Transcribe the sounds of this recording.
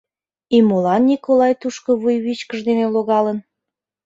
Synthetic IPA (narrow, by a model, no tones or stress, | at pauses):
imolɑnːʲikolɑjt̪uʃkoβujβit͡ɕkəʒd̪eneloɣɑlən